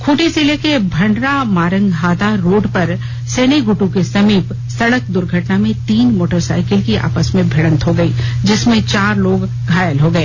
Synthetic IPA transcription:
kʰuːʈeselekebʱɐ̃ɳɖɾamaːɾə̃ŋɡɦaːd̪aɾoːɖpɐɾ | seːneɡʊʈũkesɐmiːp | sɐɽək̚d̪ʊɾɡʱəʈnamẽt̪iːnmoːʈəɾsa̰ːɪkɪlkiʔa̰ːpəsmẽbʱeɽ̃ə̃nt̪ɦoɡɐiːd͡ʒɪsmẽt͡ʃaːɾloːɡ | ɡʱaːjəlɦoɡɐeː

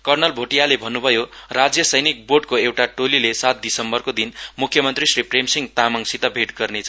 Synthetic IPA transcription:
kʌrnʌlbʱoʈijalebʱʌnːubʱʌjorad͡zjʌsʌjnik̚boɖ̚koewʈaʈolilesat̪̚d̪isʌmbʌrkod̪inmukʰjʌmʌnt̪risripʰremsiŋɡt̪amaŋsit̪ʌbʱeʈɡʌrnet͡sʰʌ

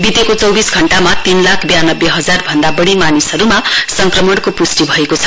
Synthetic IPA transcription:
bit̪ekot͡sʌwbisɡʱʌɳʈamat̪inlakʰbjanʌbjeɦʌd͡zarbʱʌnd̪abʌɽimanisʌɾumasʌŋkrʌmʌɽkopusʈibʱʌekot͡sʰʌ̥

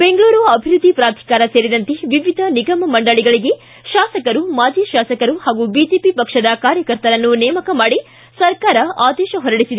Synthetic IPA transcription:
be̞ŋɡɭuːɾuɐbʱiɾud̪ʱːipɾaːt̪ʰi̥kaːɾɐseːɾid̪ɐnt̪eʋiʋid̪ʱɐniɡɐmɐmɐɳɖɐɭiɡɐɭiɡe̞ | ʃaːsɐkɐɾumaːd͡ʒiʃaːsɐkɐɾuhaːɡubid͡ʒeːpipɐkʂɐd̪ɐkaːɾjɐkɐɾt̪ɐɾɐnːunɛjɐmɐkɐmaːɽi | sɐɾkaːɾɐaːd̪ɛːʃɐɦɔɾɐɽisid̪e

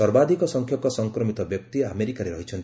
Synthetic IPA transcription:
ɔɾbad̪ʱikɔsɔŋkʰjɔkɔsɔŋkɾɔmit̪ɔbjɔk̚t̪iameɾikaɾeɾɔɦit͡ʃʰɔnt̪i

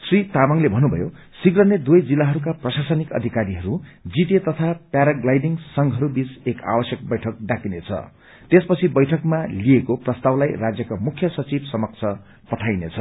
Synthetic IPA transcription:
srit̪amʌŋlebʱʌnːubʱʌ̰jo | siɡrʌned̪ujd͡zilːaɦʌɾukaprʌsasʌnikʌ̰d̪ʱikaɾiɦʌɾud͡ziʈet̪ʌt̪ʰapjaɾaɡlajɖiŋsʌŋɡɦʌɾubit͡seka̰wʌsjʌk̚bʌjʈʰʌk̚ɖakinet͡sʰʌ̰ | t̪espʌt͡sʰibʌjʈʰʌkmaliekoprʌst̪awlajrad͡zjʌkamukʰːjʌsʌt͡sibsʌmʌk̚t͡sʰʌ | pʌʈʰajnet͡sʰʌ

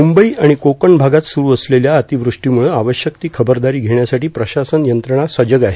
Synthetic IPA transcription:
mumbəiːaɽ̃ikokəɳbʱaɡat̪suɾuːəsleljaət̪iʋɾuʂʈiːmuɭəaʋəɕjək̚t̪iːkʰəbəɾd̪aɾiːɡʱeɳjasaʈiːpɾəɕasənjənt̪ɾəɳ̃asəd͡ʑəɡaɦe

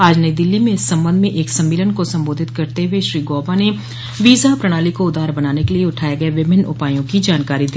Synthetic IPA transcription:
aːd͡ʒnəid̪ɪlːimẽɪsːɐ̃mbə̃nd̪mẽʔeːksɐ̃mːeːlənkosɐ̃mboːd̪ʱɪt̪kɐɾt̪eʊweʃɾiːɡɔːbane | ʋiːzapɾɐɽ̃aːlikoʊd̪aːɾbɐnaːnekelieʊʈʰaːjeɡɐeʋɪbʱɪnʊ̰paːijõkid͡ʒaːnkaːɾid̪i

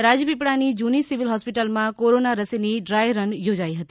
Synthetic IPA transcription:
ɾad͡ʒəpipɽanid͡ʒunisiʋilɦɔspiʈəlmãkoɾonaɾəsiniɖɾajɾənjod͡ʒaiɦət̪i

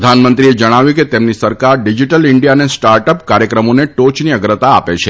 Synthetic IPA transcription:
d̪ʱanmənt̪ɾied͡ʒəɽ̃aʋjũket̪emnisəɾkaɾɖid͡ʒiʈəlɪɳɖijanesʈaɾʈəpkaɾjəkɾəmoneʈot͡ʃniəɡɾət̪aːpet͡ʃʰe

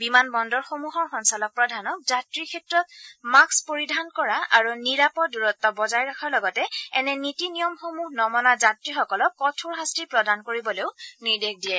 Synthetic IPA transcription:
bimanbɔndɔɹxomuɦɔɹxɔnsalɔk̚pɹɔdʱanɔk̚zatɹikʰɛtɹɔt̚makspoɹidʱankɔɹaʔaɹuniɹapɔduɹɔtːɔbɔzajɹakʰaɹlɔɡɔtɛɛnɛnitinijɔmxomuɦnɔmɔnazatɹixɔkɔlɔkːɔtʰuɹɦastipɹɔdankoɹibɔleʊniɹdekdijɛ

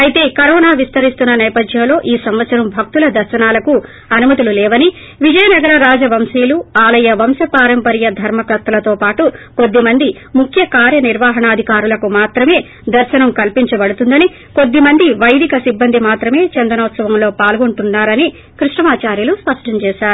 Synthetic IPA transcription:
ɐjt̪e̞ːkɐɾɔːnaːʋist̪ɐɾist̪unːɐnɛːpɐd̪ʱjɐmlo̞ːʔiːsɐmʋɐt̪sɐɾɐmbʱɐk̚t̪ulɐd̪ɐɾʃɐnaːlɐku | ɐnumɐt̪ululɛːʋɐni | ʋid͡ʒɐjɐnɐɡɐɾɐɾaːd͡ʒɐʋɐmsiːluaːlɐjɐʋɐmsɐpaːɾɐmpɐɾjɐd̪ʱɐɾmɐkɐt̪ːɐlɐt̪o̞ːpaːʈuko̞d̪ːimɐnd̪i | mukʰjɐkaːɾjɐniɾʋaːɦɐɳɐːd̪ʱikaːɾulɐkumaːt̪ɾɐme̞ː | d̪ɐɾʃɐnɐmkɐlpiɲt͡ʃɐbɐɽut̪und̪ɐni | ko̞d̪ːimɐnd̪iʋɐjd̪ʱikɐsibːɐnd̪ʱimaːt̪ɾɐme̞ːt͡ʃɐnd̪ɐnɐːt̪sɐʋɐmlo̞ːpaːlɡoɳʈunːaːɾɐni | kɾiʂʈɐmaːt͡ʃaːɾjuluspɐʂʈʰɐmt͡ʃɛːʃaːɾuu

